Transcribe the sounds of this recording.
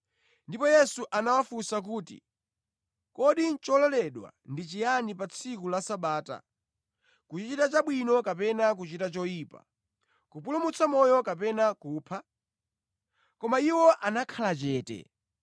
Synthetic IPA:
ndipɔjɛsuʔanawafusak̬uːtḭ | kɔɗint͡ʃɔlɔlɛɗwa̰ndit͡ʃijanipat͡sʰikulasaɓaːta̰ | kut͡ʃit͡ʃitat͡ʃaɓwinɔkapɛnak̬ut͡ʃitat͡ʃɔjiːpa̰ | kupulumut͡sʰamɔjɔkapɛnakuːpʰa | kɔmaiwɔʔanakʰalat͡ʃɛːtɛ̰

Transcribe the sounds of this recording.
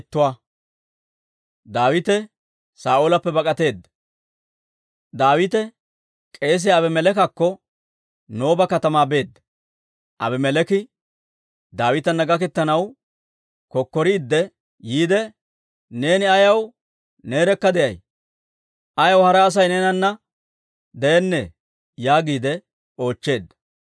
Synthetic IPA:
t̪ːʊwaː | d̪aːwɪt̪ɛ | saːʔoːlɐpːɛbɐkʼɐt̪e̞ːd̪ːɐ | d̪aːwɪt̪ɛ | kʼe̞ːs̬ɪɐbɛmɛlɛkɐkːɔ | no̞ːbɐkɐt̪ɐmaːbe̞ːd̪ːɐ | ʔɐ̰bɛmɛlɛkɪ | d̪aːwɪt̪ɐnːɐɡɐk̬ɛt̪ːɐnɐw | kɔkːɔɾiːd̪ːɛ | jiːd̪ɛ | ne̞ːnɪɐjɐw | ne̞ːɾɛkːɐd̪ɛjɐj | ʔɐjɐwhɐɾɐːs̬ɐjnɛnɐnːɐ | d̪ɛjɛnːe | jaːɡiːd̪ɛ | o̞ːt͡ʃːe̞ːd̪ːɐ̥

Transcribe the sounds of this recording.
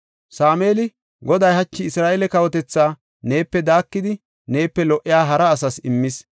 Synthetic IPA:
saːmeːlɪ | ɡɔd̪ɐjhɐt͡ʃːɪɪsɾaːʔɛlɛkɐwɔt̪ɛt͡sːaː | ne̞ːpːɛd̪aːkːɪd̪ɪ | ne̞ːpːɛlɔʔːɪjaːɦɐɾɐːsɐsɪmːɪs

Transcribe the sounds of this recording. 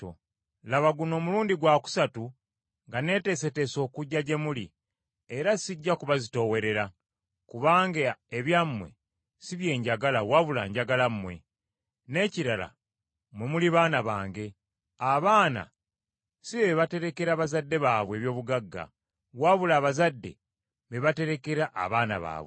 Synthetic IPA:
laβaɡuno̞ːmuluːndiɡwaːku̥satu | ŋɡane̞ːte̞se̞te̞so̞ːkuɟːaɟe̞mulḭ | e̞ɾasiɟːakuβazito̞we̞ɾe̞ɾa | kuβaːŋɡaeβjamːwe̞̰ | siβje̞ːɲɟaɡalawaβula̰ːɲɟaɡalammwe̞̰ | ne̞ːciɾala̰ | mwemuliβaːnaβaːŋɡe̞ | aβaːna̰ | siβeβate̞ɾe̞ke̞ɾaːβazadːe̞βaːβwe̞ːβjo̞ːβuɡaɡːa̰ | waβulaːβazadːe̞̰ | βeβate̞ɾe̞ke̞ɾaʔːβaːna̰βa̰ːβwe

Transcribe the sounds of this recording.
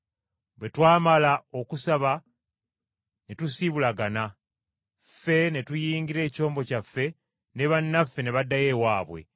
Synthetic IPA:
βwe̞twaːmalao̞kusaβa | ne̞tusiβulaɡana | fe̞ne̞tujiːŋɡiɾe̞ːco̞ːmbo̞cafːe̞ | ne̞βanːafːe̞ne̞βadːaje̞waːβwe̞̰

